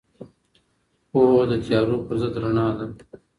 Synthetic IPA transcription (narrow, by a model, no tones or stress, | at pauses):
poɦod̪ət̪jɑːɾopəɾzəd̪ɾaɳɑːd̪a